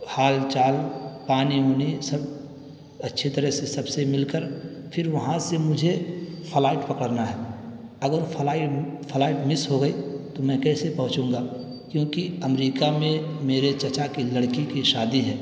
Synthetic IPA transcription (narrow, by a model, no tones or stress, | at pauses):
haːlt͡ʃaːlpaːniɦoːnisɐb | ɐtːʃʰit̪əɾəsesɐbsemɪlkəɾpʰɪɾʋɐɦãsemʊd͡ʒʱepʰəlaːɪʈpɐkəɽnaɦɛ | ɐɡəɾpʰɐlaːiʈpʰəlaːɪʈmɪsɦoɡəit̪omɛ̃kɛːsepɐɦʊ̃t͡ʃũːŋɡaː | kjõːkiɐmɾiːkamẽmeːɾet͡ʃɐt͡ʃakilɐɽkikiʃaːd̪iɦɛː